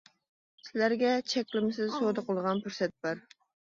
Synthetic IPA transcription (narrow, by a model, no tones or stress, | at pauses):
sɪlæɾɡʲɛt͡ʃʰɛkʲlɪmɪsɪzsod̪əqʰəlˠʁɑnpʰuɾsɛt̪̚bæɾ